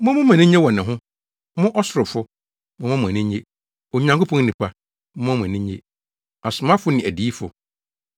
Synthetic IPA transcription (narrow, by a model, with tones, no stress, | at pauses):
mʊ̃˦mʊ̃˦mʊ̃˨nĩ˦ɲe˦wɔ˨nɪ̃˨ɦʊ̃˦ | mʊ̃˦ʔɔ˦sʊ˨ɾʊ˨fʊ˦ | mʊ̃˦mã˦mʊ̃˨æ˨nĩ˦ɲe˦ | o˨ɲã˨ŋkʰo˦pʰɔ̃˦n˦nĩ˨pʰa˦ | mʊ̃˦mʊ̃˨nĩ˦ɲḛ˦ | a˨sʊ˨mã˦fʊ˦nɪ̃˨æ˨di˨˦fʊ̰˨